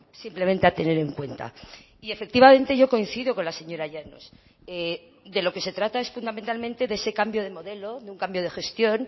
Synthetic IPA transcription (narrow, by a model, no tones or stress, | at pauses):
simplement̪eat̪e̞ne̞ɾe̞ŋkwe̞nt̪a̰ | iefe̞k̚t̪iβamẽ̞nt̪e̞ʝo̞ko̞in̟θiðo̞ko̞nlase̞ɲo̞ɾaʝano̰s | e | d̪e̞loke̞se̞t̪ɾat̪ae̞sfund̪ament̪almẽ̞nt̪e̞ðese̞kambjo̞ð̞e̞mo̞ðe̞lo̞ðeuŋkambjo̞ð̞e̞xe̞st̪jo̞n